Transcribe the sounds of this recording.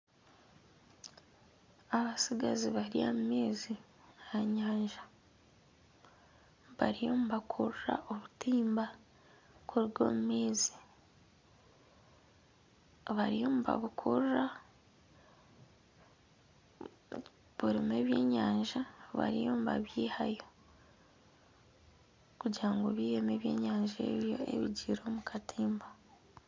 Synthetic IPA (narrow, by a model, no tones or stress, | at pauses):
aβasiɡaziβaɾija̰mumeːzi | aɲaːɲʒa | βaɾijo̞ːmuβakʰuɾra̰ʔoβutiːmba | kʰuɾiɡo̞̰ːmume̞ːzi̥ | βaɾijo̞ːmuβa̰βukʰuɾɾa | βuɾime̞βje̞ːɲaːɲʒaβa̰ɾijo̞ːmβa̰βjiːhajo | kuɟiɾaŋɡoβiːjeme̞ːβje̞ːɲaːɲʒḛβjoḛβiɟiɾo̞mukʰatʰiːmba